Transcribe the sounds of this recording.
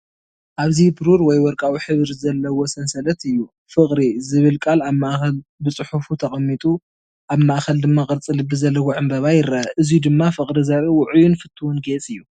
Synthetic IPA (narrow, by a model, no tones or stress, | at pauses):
ʔaβzibɨɾuɾwɔjwɔɾkʼawiħɨβɾzɐlːɐwosɐnsɐlɐt̪ɨjːu | fɨχʼɾizɨβɨlkʼalaβmaʔxɐlbɨt͡sʼɨħufut̪ʰɐχʼɐmːit̪ʼu | ʔaβmaʔxɐld̪ɨmːakʼɨɾt͡sʼɨlɨbɨzɐlːɐwoʕɨmbɐβajɪɾaʔɨzjud̪ɨmːafɨχʼɾizaβewʊʕujunfɨt̪ʰːuwunɡet͡sʼɨjːu